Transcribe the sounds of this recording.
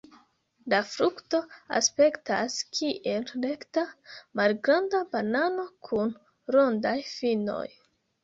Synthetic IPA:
lafɾukto̞a̰spe̞ktaskʰiʔe̞llektamalɡɾandabanano̞kʰun | ɾo̞ndajfino̞̰j

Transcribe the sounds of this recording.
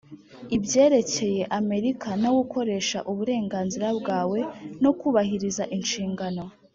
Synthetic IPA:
ibɟe̞ːɾe̞ce̞je̞ʔame̞ɾikʰanaɡuko̞ɾe̞ːʃa̰ʔuβuɾe̞ːŋɡaːnziɾabɡaːwe̞no̞kuːβahiɾizaʔinʃiːŋɡano̞

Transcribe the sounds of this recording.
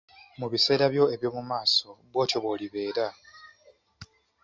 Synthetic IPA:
muβise̞ːɾaβjo̞e̞βjo̞ːmumaːso̞βwo̞ːco̞βwo̞ːliβe̞ːɾa

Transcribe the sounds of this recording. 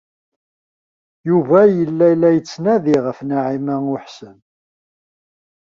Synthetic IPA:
juvæjəlːælːæjət͡sːnæðiʁəfnaʕimæŋʊħsən

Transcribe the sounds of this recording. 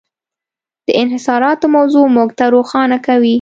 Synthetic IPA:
d̪̥əɪnɦɪsɑɾɑt̪omawzomuɡt̪aɾoxɑnakawi

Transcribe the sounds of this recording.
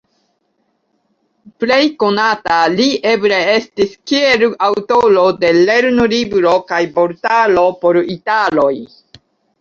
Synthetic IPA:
ple̞jko̞nataliʔe̞bɾee̞stiskieɾawtolo̞de̞le̞ɾnolibɾo̞kajpo̞ɾtalo̞po̞ɾitalo̞j

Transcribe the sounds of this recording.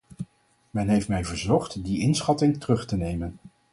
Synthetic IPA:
mɛnɦejftmɛjvəɹzɔχtdiɪnsχɑtɪŋtərɵχtənejmən

